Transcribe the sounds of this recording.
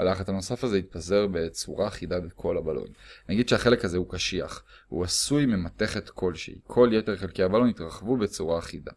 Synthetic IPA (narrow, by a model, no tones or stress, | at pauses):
alaχat̪hano̞safazeit̪̚paze̞ʁbe̞t͡suʁaːχidabekʰo̞labalo̰jnnaɡid̪ʃeaχe̞lekhazeukaʃia̰χ | ṵasujmemat̪e̞χet̪kʰo̞lʃḛḭkʰo̞ljete̞ʁχelkejabalonit̪ʁaχvubet͡suʁaːχida̰